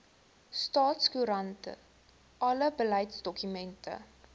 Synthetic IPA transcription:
stɑːtskuɾɐntə̰ | ʔɐləbəlɐjtsdɔkymɛntʰə̰

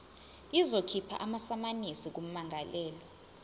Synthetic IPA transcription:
izokʰipʰa̰ʔamasamanisik̬um̩maŋʱalɛːli

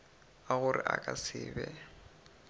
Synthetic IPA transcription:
aɣʊrɪʔakʼasɪːbɛ

